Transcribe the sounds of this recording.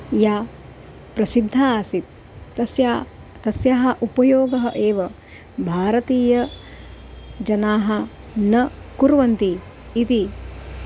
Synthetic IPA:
jaː | pɾɐsid̪ʱːaːsit̪̚ː | ɐsja | t̪ɐsjaːɦɐ̆ʔupɐjoːɡɐɦɐ̰ʔeːʋɐ | bʱaːɾɐt̪iːjɐ | d͡ʒɐnaːɦɐ | nɐkuɾʋɐnt̪iː | t̪i

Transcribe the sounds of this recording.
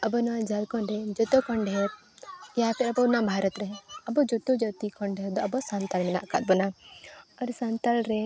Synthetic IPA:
ɐbɔnad͡ʒalkɔnɖɛd͡ʒɔt̪ɔkɔɳɖʱɛɾ | japʰɛɾɐbɔnabʱaɾɔt̪ɾɛɐbɔd͡ʒɔt̪ɔd͡ʒɔt̪ikʰɔɳɖɛɾd̪ɔɐbɔsant̪almɛna̰ʔkat̪̚bɔna | ɔɾsant̪alɾɛ

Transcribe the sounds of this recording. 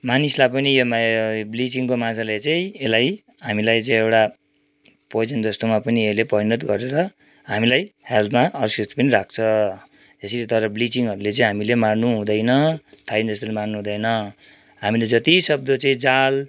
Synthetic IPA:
manislapʌnijmblit͡siŋkomad͡zalejt͡saĩelaj | ɦamilajt͡sʌ̃ĩewʈa | pʌjd͡zʌnd͡z̪ʌst̪omapʌnielepʌɾinʌt̪ɡʌɾeɾʌ | ɦamilajhelt̪maʌrsist̪i̥pʌniɾak̚t͡sʰʌ | ʌsilit̪ʌɾʌblit͡siŋɦʌɾulet͡saĩɦamilemarnuɦũd̪ʌjnʌt̪ʰajnd͡zʌst̪olemarnuɦũd̪ʌjnʌ | ɦamiled͡zʌt̪isʌb̚d̪ʌt͡sʌĩd͡zal

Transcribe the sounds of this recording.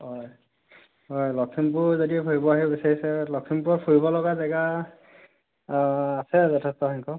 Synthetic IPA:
ɦɔj | ɦɔjlɔksʰimpuzodiɛpʰuɹibɔaɦibɔbisaɹisɛlɔksʰimpʊɹɔpʰuɹibɔlɔɡazɛɡa | sɛzɔtʰɛstɔhɔŋkɔ

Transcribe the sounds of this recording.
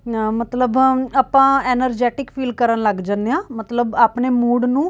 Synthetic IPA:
mət̪ləbaːpãːɛːnəɾd͡ʒɛːʈɪkpʰiːlkəɾənləɡd͡ʒãːnd̪eãːmət̪ləbaːpneːmuːɖnũː

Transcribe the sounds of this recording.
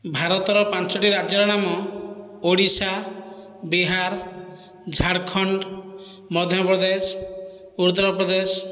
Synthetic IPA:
bʱaɾɔt̪ɔɾɔpãnt͡ʃɔʈiɾad͡ʒɔɾɔɽ̃amɔ | oɽisa | biɦaɾ | d͡ʒʱaɽkʰɔɳɖ | mɔd̪ʱjɔpɾɔd̪es | uɾut̪̬ːɾɔpɾɔd̪es

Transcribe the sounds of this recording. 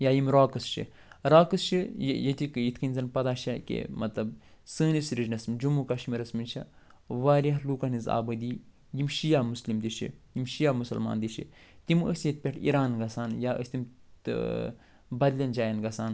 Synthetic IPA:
jaːjimɾaːkɨst͡ʃʰḭ | ɾaːkɨst͡ʃʰijjɐt̪ikjit̪ʰkʰɐnʲzɐnpɐd̪aːʃɐkḛmɐt̪lɐb | səːnisɾid͡ʒnɐsmd͡ʒumukɐʃmiɾɐsminʲt͡ʃʰɐ̰ | ʋaːɾʲɐluːkɐniza̰ːbɐd̪iː | jimʃijaːmuslimd̪iʃʰḭjimʃijaːmusɐ̰lma̰ːnd̪it͡ʃʰḭ | t̪imə̰sjɐt̪̚pʲeʈʰḭɾaːnɡɐsaːnjaːʔə̰sʲt̪im̰ | bɐd̪lʲɐnd͡ʒaːjɐnɡɐsaːn

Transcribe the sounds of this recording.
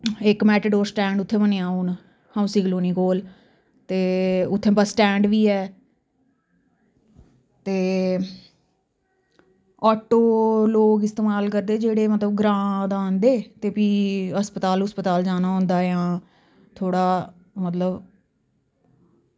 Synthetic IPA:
ɪkmɛːʈəɖoːɾsʈɛ̃ːɳɖʊt̪ʰːẽːmənẽːaːuːn | hãũsiːkloːniːkoːl | t̪eːʊt̪ʰːẽːbəsʈɛ̃ːɳɖʋiːɛː | t̪eː | ɔːʈoːloːɡɪst̪eːmaːlkəɾd̪eːd͡ʒeːɽeːmət̪ləbɡɾãːd̪aːnd̪eːt̪eːpiːəspət̪aːlʊspət̪aːld͡ʒaːnaːɦʊ̃ːnd̪aːjãː | t̪ʰoːɽaː | mət̪ləb

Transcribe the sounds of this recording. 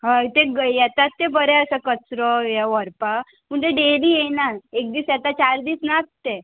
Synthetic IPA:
ɦat̪ẽɡəjɛt̪at̪t̪ːẽbəɾɛəsakət͡sɾɔjɛʋəɾpa | məɳt̪ẽɖeliːjenalek̚d̪iːsjɛt̪at͡ɕaɾd̪iːsnat̚t̪e

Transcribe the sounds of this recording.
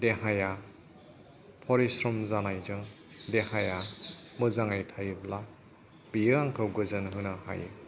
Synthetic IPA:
deɦaja | pʰɔɾisɾɔmzanajzɯŋ | dehajamɯzaŋajtʰajɯbla | b̥ijɯaŋkʰɯwɡɯzɯnɦɯnɯha̰jɯ̰

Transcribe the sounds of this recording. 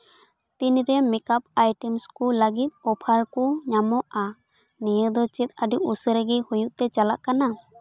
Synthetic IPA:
t̪inɾɛmikap̚ajʈɛmskulaɡit̪̚ɔpʰaɾkuɲamɔʔa | nijəd̪ɔt͡ʃit̪̚aɖiʔusəɾəɡihujuʔt̪ɛt͡ʃalaʔkana

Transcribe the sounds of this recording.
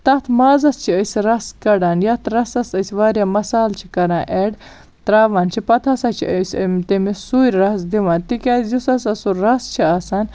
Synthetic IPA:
t̪ɐt̪ʰmaːzɐst͡ʃʰiəsɾɐskɐɽaːnjɐt̪ʰɾɐsɐsɐsʲʋaːɾjaːmɐsaːlt͡ʃʰikɐɾãːʔeɖ | t̪ɾaːʋaːnt͡ʃʰipɐt̪ʰɐsat͡ʃʰḭəsəmt̪imisuːɾʲɾɐsd̪iʋãːnt̪ikʲaːzusɐsɐsuɾɐst͡ʃʰiaːsaːn

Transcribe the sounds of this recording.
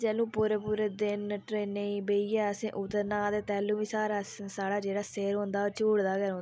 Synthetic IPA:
t͡ʃɛːlũːpuːɾepuːɾed̪ɪnʈɾeːnẽbeːiɛːəsẽːʔʊt̪ːəɾnãːd̪eːt̪ɛːlːũːʋĩːsaːɾaːssaːɽaːd͡ʒeːɽaːseːɾõːnd̪aːoːt͡ʃuːɽd̪aːɡəɾɦõːna

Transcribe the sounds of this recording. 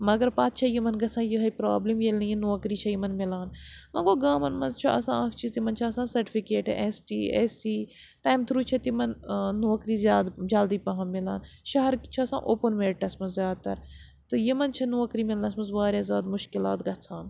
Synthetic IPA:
mɐɡɐɾpaːt̪̚t͡ʃʰɐjimɐnɡɐt͡sʰãːjiɦɐpɾaːblimjelnɐjinuːɐkɾiːt͡ʃʰɐjimɐnmɪlaːnmɐɡoːɡãːmɐnmɐnzt͡ʃʰɐʔɐ̰sãːɐkʰt͡ʃʰizt̪imɐnt͡ʃʰɐɐsãːsɐɾʈi̥fikeːʈʔesʈiːḛsiː | ʈaːjmt̪ʰɾuːt͡ʃʰɐt̪imɐnːoːɐkɾiːzʲjaːd̪d͡ʒaːld̪iːpɐɦɐnmɪla̰ːn | ʃɐɦɐɾkt͡ʃʰɐɐsã̰ːʔoːpɐnmeːɾʈɐsmɐzzjaːd̪̚t̪ɐɾ | t̪ɨjimɐnt͡ʃʰɐnuːɐkɾiːmɪlɐnɐsmɐnzʋaːɾʲjaːzjaːd̪mʊʃkɪlaːt̪ɡɐt͡sʰaːn

